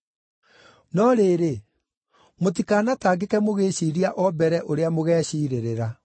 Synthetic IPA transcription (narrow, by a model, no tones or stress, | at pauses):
nɔɾeːɾe | mot̬ikaːnataːɡekɛmoɣeːɕiːɾiaʔɔbɛɾɛʔoɾeamoɣɛːɕiːɾeɾeɾa